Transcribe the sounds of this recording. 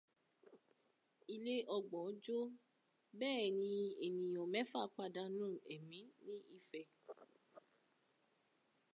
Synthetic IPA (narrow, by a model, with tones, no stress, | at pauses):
i˧le˦ɔ˧ɡ͡bɔ̃˨˦d͡ʒo˦ | bɛː˦˨nĩ˧˦e˨nĩ˨ɔ̃˨mɛ̃˦fa˦˨k͡pa˧da˧˦nũː˦˨ɛ˨mĩ˨˦nĩ˦i˦˨fɛ˨